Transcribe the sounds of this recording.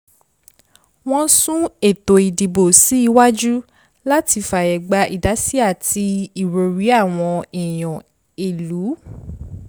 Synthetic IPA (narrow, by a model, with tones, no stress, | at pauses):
w̃ɔ̃˦sũ˦e˨to˨i˨di˨bo˨si˨˦i˧wa˦d͡ʒu˦ | la˦ti˧fa˨jɛ˨ɡ͡ba˧˦ʔi˨da˨˦si˦a˦˨ti˧i˦˨ɾo˨ɾi˨˦a˦˨w̃ɔ̃˧ɛ˨j̃ɔ̃˨ | e˨lu˨˦